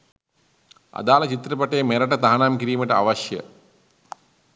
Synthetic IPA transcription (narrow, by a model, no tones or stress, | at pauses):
a̰d̪aːlɐt͡ɕit̪ɾɐpɐʈejmeɾɐʈɐt̪aɦɐnaːmkiɾiːməʈəaʋɐʃjə̰